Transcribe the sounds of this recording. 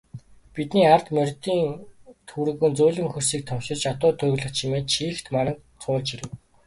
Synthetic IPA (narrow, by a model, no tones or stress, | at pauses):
pit̪niːart̪mœrʲt̪iːŋt̪ʰuɾɘ̆ɣɘ̆nt͡suːɮɘ̆ŋxɵrsiːk̚t̪ʰɔmʃɪ̆t͡ɕat̪ʊːt̪ʰɵjɣɮə̆χt͡ɕʰimeːt̪ʃiːxt̪manə̆k | t͡sʰʊːɮt͡ɕiɾɘ̆w